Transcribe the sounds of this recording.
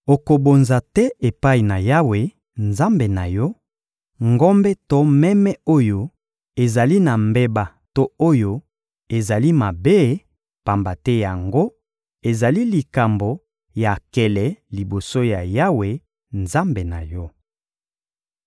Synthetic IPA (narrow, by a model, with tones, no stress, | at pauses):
o˨ko˨bo˨nza˨tɛ˦e˨pa˦i˨na˨ja˦we˨ | nza˦mbe˨na˨jɔ˦ | ŋɡɔ˦mbɛ˦to˦mɛ˦mɛ˦o˦jo˨ | e˨za˨li˦na˨mbe˦ba˨ | to˦o˦jo˦ | e˨za˨li˦ma˨be˦ | pa˨mba˨tɛ˦ja˨ŋɡo˦ | e˨za˨li˦li˨ka˨mbo˨ | ja˨kɛ˨lɛ˨li˨bo˨so˦ja˨ja˦we˨ | nza˦mbe˨na˨jɔ˦